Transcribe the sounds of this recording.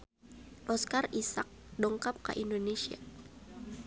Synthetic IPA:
ʔɔskarisak̚dɔŋkap̚ka̰ʔindonesia̰

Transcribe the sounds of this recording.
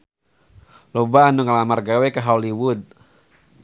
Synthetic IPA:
lobaːnuŋalamarɡawekaɦauliwʊd̪̚

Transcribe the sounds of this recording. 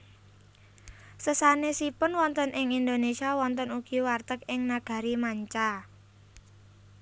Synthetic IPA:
səsanesipʊnwɔnt̪ənʔɪŋind̪onesiawɔnt̪ənuɡ̥iwart̪əkɪŋnaɡ̥a̤ɾimaɲt͡ʃa

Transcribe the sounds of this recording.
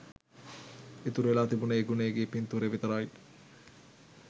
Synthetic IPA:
et̪uɾelaːt̪ibuneeɡuneɡepint̪uɾeʋit̪ɐɾaj

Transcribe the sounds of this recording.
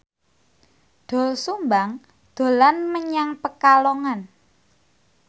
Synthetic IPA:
d̪̥ɔ̤lsumbaŋ | d̪̥o̤lanməɲaŋpəkalɔŋan

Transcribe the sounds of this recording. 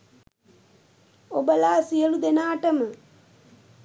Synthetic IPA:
obəlaːsijəlud̪enaːʈəmə

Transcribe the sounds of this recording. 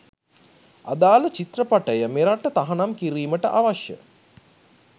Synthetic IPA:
a̰d̪aːlət͡ʃit̪rəpaʈəjəmeɾaʈːət̪aɦanamkiɾiːməʈə̰ʔaʋaʃjə̰

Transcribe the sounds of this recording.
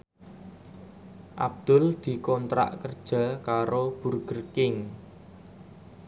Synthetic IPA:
ʔa̰b̚d̪̥ʊ̤ld̪̥i̤kɔnt̪ɾa̰ʔkərd̥ʒ̥a̤kaɾob̥ṳrɡ̥ərkɪŋ

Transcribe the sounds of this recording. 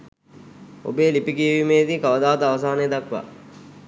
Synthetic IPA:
o̰beːlipikiʋimeːd̪iːkaʋəd̪aːʋət̪əaʋəsaːneːd̪akʋa̰

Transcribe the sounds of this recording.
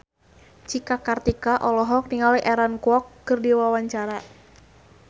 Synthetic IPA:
t͡ʃikakart̪ikaʔɔlɔɦɔk̚niŋawiʔɛɾankuɔkːɨrdiwawaɲt͡ʃaɾa

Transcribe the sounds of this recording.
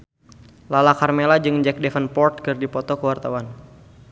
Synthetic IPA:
lalakarmelad͡ʒɨŋd͡ʒɛk̚dɛfənpɔrt̪̚kɨrdipɔt̪ɔkəwart̪awan

